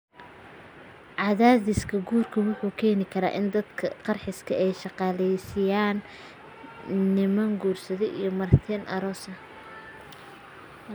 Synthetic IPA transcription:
ʕɑðaːðɪskʰɐɡuːrkʰɐwʊħuːkʰɛːnɪkʰɐɾa̰ːʔɪnd̪ɐd̪kʰɐqɑrħɪskʰɐɛjʃɑqɑːlɛjsɪjaːn | ɪmɐŋɡuːrsɐðɛʔijɔmɐrt̪ʰɛːnʔɐ̰ɾɔːsɐ

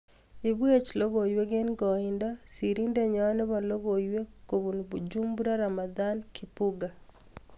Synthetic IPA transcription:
iβwet͡ʃiloɣoiweɣeniɡɔindasiɾindeɲaaneβaloɣoiwekoβuniβud͡ʒumbuɾaɾamaðankipuɡa

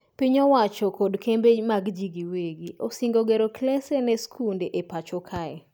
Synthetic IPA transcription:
piɲɔwat͡ʃɔkɔdkembemaɡd͡ʒiɡiweɡiosiŋɡoɡeɾoklɛsenɛskʰundeʔepat͡ʃɔkʰaɛ

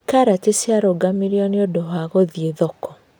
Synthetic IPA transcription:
kaɾatesjaɾɔɡamiɾiɔniodɔɦaɣɔðieðɔkɔ

